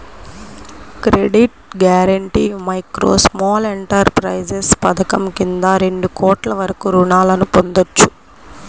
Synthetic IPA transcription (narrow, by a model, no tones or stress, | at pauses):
kɾeɖiʈ̚ɡjaːɾɐɳʈiːmɐjkɾo̰ːsmɔːle̞ɳʈɐɾpɾɐjd͡ʒespɐd̪ɐkɐmkind̪aːɾe̞ɳɖukɔːʈlɐʋɐɾɐkuɾuɳaːlɐnupo̞nd̪ot͡ʃːu̥